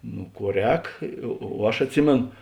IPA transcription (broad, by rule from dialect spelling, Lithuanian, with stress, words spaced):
nʊ ˈkuɔ ˈrʲɛːk oː oː ˈɐʃ ɐtʲˈsʲɪmʲeːn